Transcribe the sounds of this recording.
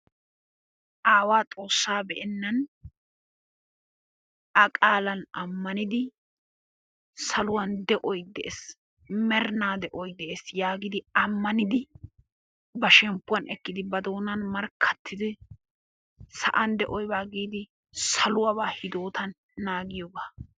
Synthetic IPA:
ʔaːwaːt͡sʼo̞ːsːaːbɛʔɛnːɐn | ɐkʼaːlɐnɐ̰mːɐnɪd̪ɪ | sɐlʊwɐnd̪ɛʔɔjd̪ɛʔes | mɛɾnaːd̪ɛʔɔjd̪ɛʔesjaːɡɪd̪ɪɐmːɐnɪd̪ɪ | bɐʃɛmpːʊwɐnʔɛkːɪd̪ɪbɐd̪o̞ːnɐnmɐɾkʰːɐ̥t̪ːɪd̪ɪ | sɐ̰ʔɐnd̪ɛʔɔjbaːɡiːd̪ɪ | sɐlʊwɐβaːhɪd̪o̞ːt̪ʰɐnː | aːɡɪjɔbaː

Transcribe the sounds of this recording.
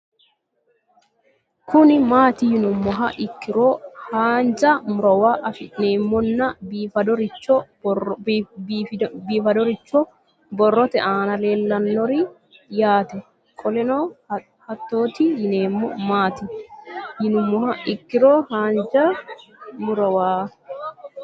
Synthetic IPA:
kʰʊnɪmaːt̪ɪjɪnʊmːɔɦɐʔɪkːɪɾoːhaːnd͡ʒɐmʊɾɔwaʔɐfɪneːmːɔnːɐbiːfɐd̪ɔɾɪt͡ʃːɔ | biːfɐd̪ɔɾɪt͡ʃːɔ | bɔrːɔt̪ɛʔaːnɐleːlːɐnːɔɾɪ | jaːt̪ɛ | kʼɔlɛnoː | hɐt̪ːoːt̪ɪjɪneːmːɔ̰maːt̪ɪjɪnʊmːɔɦɐʔɪkːɪɾoːhaːnd͡ʒɐ | mʊɾɐwaː

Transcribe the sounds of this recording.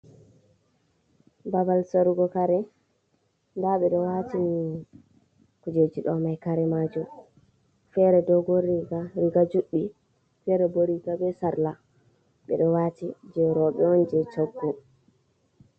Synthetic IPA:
babalsaɾuɡɔkaɾɛ | ndaɓɛɗɔwatini | kud͡ʒed͡ʒiɗɔmajkaɾɛmad͡ʒu | fɛɾɛdɔɡoɾiɡaɾiɡad͡ʒuɗːi | fɛɾɛboɾikabɛsaɾla | ɓɛ̰ɗɔwatid͡ʒɛɾɔɓɛɔnd͡ʒɛt͡ʃoɡːu

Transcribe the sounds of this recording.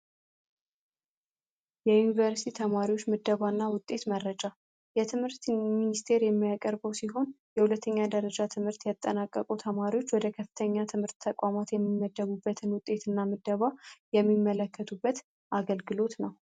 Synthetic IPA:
jɛjunivəɾsi̥t̪ʰit̪ʰəmaɾiwo̞t͡ʃːmɨd̪ːəβanːawʊt̪ʼːe̞t̪məɾːəd͡ʒa | jɛt̪ʰɨmhɨɾt̪minist̪ʰe̞ɾjɛmːijakʼəɾbəwsiɦo̞n | jɛhulət̪ʰːəɲːad̪əɾəd͡ʒat̪ʰɨmhɨɾt̪jat̪ʼːənakʼːəkʼut̪ʰəmaɾiwo̞t͡ʃːwɔd̪əkʰəfːɨ̥t̪ʰəɲːat̪ʰɨmhɨɾt̪ʰːəkʷʼamat̪jɛmːimːəd̪ːəβubːət̪ʰɨnwʊt̪ʼːe̞t̪ʰɨnːamɨd̪ːəβajɛmːimːələkːət̪ʰubːət̪ | ʔaɡəlɡɨlo̞t̪nəw

